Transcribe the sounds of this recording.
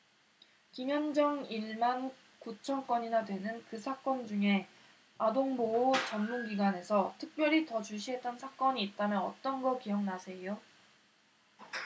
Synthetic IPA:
kiŋjʌnd͡ʑʌŋiɭman | kut͡ɕʰʌnk͈wʌɲinadwe̞nɯnkɯsʰak͈ʌnd͡ʑuŋe̞ | adoŋboːt͡ɕʌnmunɡiɡwane̞sʰʌtʰɯk̚p͈jʌɾitʌt͡ɕuɕ̬ʰiɦe̞t͈̚ʌnsʰak͈ʌɲiːt̚t͈anjɯnʌ̰t͈ʌnɡʌkijʌŋnasʰe̞jo

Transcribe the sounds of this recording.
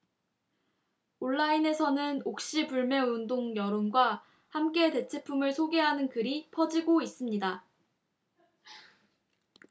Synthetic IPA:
oɭːaine̞sʰʌnɯnok̚ɕ͈ipuɭme̞undoŋjʌɾonɡwa | hamk͈e̞te̞t͡ɕʰe̞pʰumɯɭsʰoɡe̞ɦanɯnkɯɾipʰʌd͡ʑiɡois͈ɯmɲida

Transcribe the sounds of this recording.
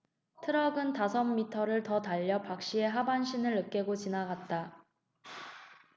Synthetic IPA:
tʰɯɾʌɡɯntasʰʌmːitʰʌɾɯɭtʌtaʎːʌpak̚ɕ͈ie̞ɦabanɕʰinɯɭɯk͈̚e̞ɡot͡ɕinaɡat̚t͈a

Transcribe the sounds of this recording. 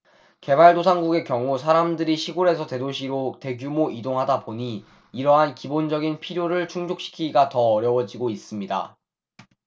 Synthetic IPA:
ke̞baɭdosʰaŋɡuɡe̞kjʌŋusʰaɾamdɯɾiɕʰiɡoɾe̞sʰʌte̞doɕʰiɾote̞ɡjumoʔidoŋɦadapoɲiː | ɾʌɦankibond͡ʑʌɡinpʰiɾjoɾɯɭt͡ɕʰuŋd͡ʑok̚ɕ͈i̥kʰiɡatʌːɾjʌwʌd͡ʑiɡois͈ɯmɲida̰

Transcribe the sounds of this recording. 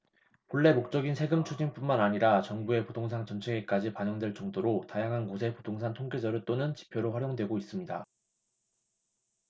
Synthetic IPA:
hoɭːe̞mok̚t͡ɕ͈ʌɡinsʰe̞ɡɯmt͡ɕʰud͡ʑinp͈unmanaɲiɾat͡ɕʌŋbue̞potʰoŋs̬ʰaŋt͡ɕʌnt͡ɕʰeɡek͈ad͡ʑipaɲʌŋdwe̞ɭt͡ɕ͈ʌŋdoɾotajaŋɦankosʰe̞podʰoŋsʰantʰoŋkʰed͡ʑʌɾɯɭt͈onɯnt͡ɕi̥pʰjoɾoɸwaɾjoŋdwe̞ɡois͈ɯmɲida

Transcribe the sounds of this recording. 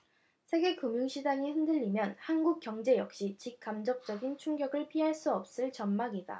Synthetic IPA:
sʰe̞ɡe̞kumjuŋɕʰid͡ʑaŋihɯndɯʎːimjʌnhanɡuk̚k͈jʌŋd͡ʑe̞jʌk̚ɕ͈it͡ɕik̚k͈amd͡ʑʌk̚t͡ɕ͈ʌɡint͡ɕʰuŋɡjʌɡɯɭpʰiɦaɭs͈uʌp̚s͈ɯɭt͡ɕʌnmaɡida̰

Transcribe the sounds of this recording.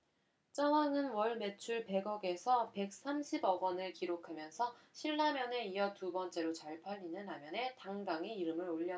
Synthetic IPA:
t͡ɕ͈ʌŋaŋɯnwʌɭme̞t͡ɕʰuɭpe̞ɡʌɡe̞sʰʌpe̞k̚s͈amɕʰibʌɡʌnɯɭkiɾokʰamjʌnsʰʌɕʰiɭːamjʌne̞ijʌtubʌnt͡ɕ͈e̞ɾot͡ɕaɭpʰaʎːinɯnamjʌne̞taŋdaŋiiɾɯmɯɾoʎːʌ

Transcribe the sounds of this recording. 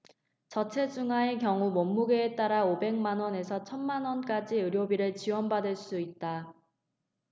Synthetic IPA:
t͡ɕʌt͡ɕʰe̞d͡ʑuŋɦaekjʌŋumʌmːuɡeːt͈aɾaobe̞ŋmanwʌne̞sʰʌt͡ɕʰʌnmanwʌnk͈ad͡ʑiɯɾjobiɾɯɭt͡ɕiwʌnbadɯɭs͈uit̚t͈a

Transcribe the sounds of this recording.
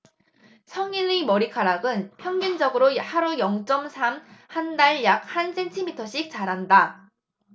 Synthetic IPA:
sʰʌŋinimʌɾikʰaɾaɡɯnpʰjʌŋɡind͡ʑʌɡɯɾohaɾujʌŋt͡ɕ͈ʌmsʰamhandaɭjak̚hansʰe̞ntʰimitʰʌɕʰik̚t͡ɕ͈aɾɦanda

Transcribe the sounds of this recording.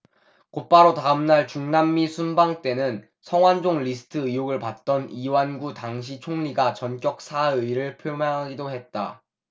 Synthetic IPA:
kop͈aɾotaɯmnaɭt͡ɕuŋnamːisʰunbaŋt͈e̞nɯn | sʰʌŋwand͡ʑoŋʎisʰɯ̥tʰɯijoɡɯɭpat̚t͈ʌniwanɡutaŋɕ̬ʰit͡ɕʰoŋʎiɡat͡ɕʌnk͈jʌk̚sʰaɯiɾɯɭpʰjomjaŋɦaɡidoɦe̞t̚t͈a̰

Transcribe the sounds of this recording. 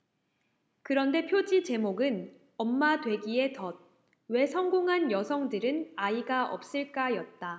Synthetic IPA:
kɯɾʌnde̞pʰjod͡ʑit͡ɕe̞moɡɯn | ʌmːadwe̞ɡie̞tʌd̚ | we̞sʰʌŋɡoŋɦanjʌsʰʌŋdɯɾɯnaiɡaʔʌ̰p̚s͈ɯɭk͈ajʌt̚t͈a

